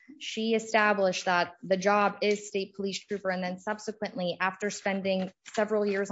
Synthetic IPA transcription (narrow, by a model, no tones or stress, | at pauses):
ʃiɨstæblɪʃðət̪̚ðɨd͡ʒɑbɪz̥steɪt̚pʰəlistʰɹ̥ʉpə˞ɨ̃nðɨ̃nsʌb̥sɨkwɨ̃nʔliʔæftə˞spɛ̃ndɪ̃ŋsɛvɹl̩ˠjɪɹz